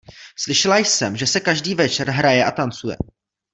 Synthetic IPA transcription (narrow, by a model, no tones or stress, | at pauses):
slɪʃɛlajsɛmʒɛsɛkaʒdiːvɛt͡ʃɛɾɦɾajɛʔat̪ant͡sujɛ̰